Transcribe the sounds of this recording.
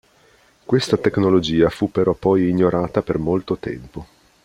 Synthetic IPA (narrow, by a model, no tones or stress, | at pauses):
kwest̪at̪eknolod͡ʒiːafupːeɾɔpːɔjiɲːoɾaːt̪apermolt̪ot̪ɛ̰mpo